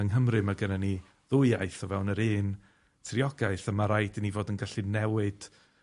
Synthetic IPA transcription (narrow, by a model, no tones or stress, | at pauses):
əŋɦəmrɨmaɡənani | ðʊɨaɨθɔvɛwnəɾɨːn | tʰriɔɡaɨθəmaɾajdənivoːdənɡaɬinɛwɨd̥